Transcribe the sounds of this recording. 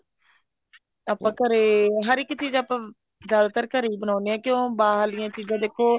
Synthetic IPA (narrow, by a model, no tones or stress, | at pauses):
aːpãːkəɾeːɦəɾɪkːt͡ʃiːzaːpãː | d͡ʒaːd̪t̪əɾkəɾiːbənaːnejãːkjõːbaːɦlɪjãːt͡ʃiːzãːd̪eːkʰːoː